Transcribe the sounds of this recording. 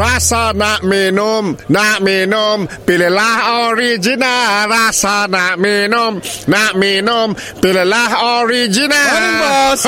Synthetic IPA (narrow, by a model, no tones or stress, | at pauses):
rasanaʔminʊmnaʔminʊmpilelahɔɾid͡ʒinarasanaʔminʊmnaʔminʊm | pilelahɔɾid͡ʒina